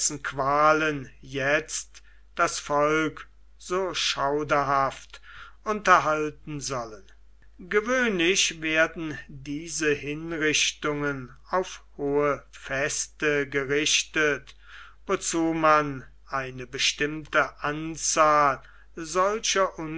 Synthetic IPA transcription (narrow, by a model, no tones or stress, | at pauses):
sn̩kv̥aːlənjɛt͡st | d̥asfɔlk | z̥oːʃaʊdɐɦaftʔʊntɐɦaltn̩zɔlən | ɡəvøːnlɪʃveːɐdn̩diːzəhɪnʁɪʃtʊŋən | aʊfhoːəfɛstəɡəʁɪʃtət | vot͡suːman | ʔaɪnəbəʃtɪmtəʔant͡saːl | zɔlʃɐʔʊn